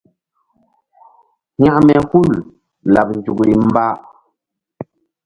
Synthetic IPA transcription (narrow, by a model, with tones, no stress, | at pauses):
ɲa˦ʔmɛ˨ku˦˨l | la˨p̚n˨d͡ʒu˨kli˨m̩˦ba˦